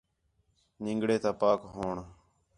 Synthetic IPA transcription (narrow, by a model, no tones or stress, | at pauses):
nɪ̃ŋɡɽeːt̪aːpaːkɦoːɳ